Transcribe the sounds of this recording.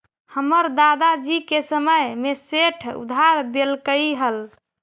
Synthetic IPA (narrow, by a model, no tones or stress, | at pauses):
həməɾd̪ad̪ad͡ʒikesəməjmeseʈʰṵd̪ʱɦaɾd̪elkəiɦəl